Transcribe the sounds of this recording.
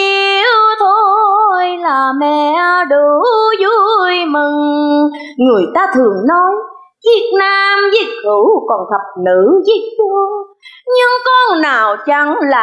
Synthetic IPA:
i˧wt̪ʰo˧jlaː˨˩mɛ˧˨ɗu˨˩zu˧jmɨ˨˩ŋː | ɨ˨˩əjt̪aː˧t̪ʰɨ˨˩əŋnɔ˧˦j | vi˨˦˥ək̚naː˧mzi˦˥k̚xɨ˧˩˦wkɔ˨˩nt̪ʰə˨˩p̚nɨ˧˥zi˦˥ək̚ɗu˧əŋɲɨ˧ŋkɔ˧nnaː˨˩wt͡ɕa˨˦ŋlaː˨

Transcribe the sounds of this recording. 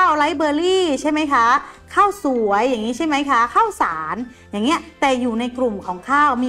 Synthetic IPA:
a˥˩wla˨˦˥jbɤː˧liː˥˩t͡ɕʰa˥˩jma˦˥jkʰa˦˥kʰaː˥˩wsu˨˩˦əjːaː˨˩ŋiː˦˥t͡ɕʰa˥˩jma˦˥jkʰa˦˥kʰaː˥˩wsaː˩˦n | jaː˨˩ŋːi˦˥ɐt̪ɛː˨˩juː˨˩na˧jkɾu˨˩mkʰɔː˩˦ŋkʰaː˥˩wmiː˧

